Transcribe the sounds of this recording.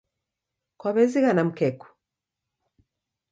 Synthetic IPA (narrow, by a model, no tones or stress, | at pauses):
kwaβɛziɣanam̩kɛku̥